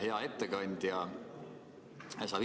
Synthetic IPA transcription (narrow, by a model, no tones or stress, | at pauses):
heɑe̞t̪ːekɑnʲd̪̥jɑ | jɑsɑ